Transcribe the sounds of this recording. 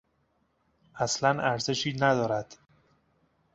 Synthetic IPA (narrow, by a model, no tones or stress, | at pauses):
ʔæslænʔæɾze̞ʃiːnæd̪ɒːɾæd̪̥